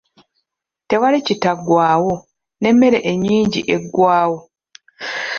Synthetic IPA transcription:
te̞walicitaɡwaːwo̞ | ne̞mːe̞ɾe̞ʔeɲːiːɲɟḭʔe̞ɡːwaːwo

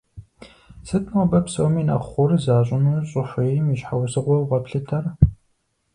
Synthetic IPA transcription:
sɨtʼnɨbɐpsowmiːnɐ̰χʷʊrzaːɕʷʼɪnuːɕʼʊħʷʊjjmiʃħawsɨʁʷɔwʁɐpɬɨtʰɐr

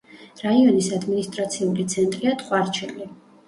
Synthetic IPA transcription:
ɾaiɔnisad̪minist̪ʼɾat̪sʰiulit̪sʰɛnt̪ʼɾiat̪ʰʼχʼwaɾt͡ʃʰɛli

